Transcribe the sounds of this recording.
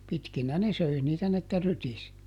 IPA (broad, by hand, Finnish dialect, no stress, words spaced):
pitkinæ ne søi niːtæ n etːæ rytis